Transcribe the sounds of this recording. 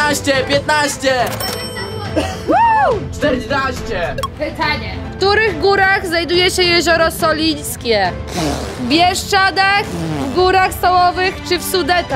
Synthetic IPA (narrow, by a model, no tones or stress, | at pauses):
aɕt͡ɕɛpʲjɛt̪̚naɕt͡ɕɛ | wawt̪ɛnaɕt͡ɕɛpɘt̪aɲɛ | fkt̪uɾɘɣɡuɾaɣznajd̪ujɛɕɛjɛʑɔɾɔsɔlʲijskʲɛ | bʲjɛʂt͡ʂad̪axvɡuɾaxst̪ɔwɔvɘxt͡ʂɘfsud̪ɛt̪a